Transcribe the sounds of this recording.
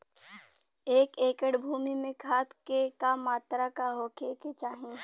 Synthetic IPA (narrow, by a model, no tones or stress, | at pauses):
eːkeːkəɽbʱuːmimẽkʰaːt̪kekamaːt̪ɾakaɦoːkʰeket͡ʃaːɦẽ